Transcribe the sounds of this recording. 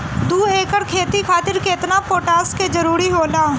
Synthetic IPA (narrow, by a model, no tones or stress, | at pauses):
d̪uːeːkəɾkʰeːt̪ikʰaːt̪ɪɾkeɪt̪napoːʈaːsked͡ʒɐɾuːɾiɦoːlaː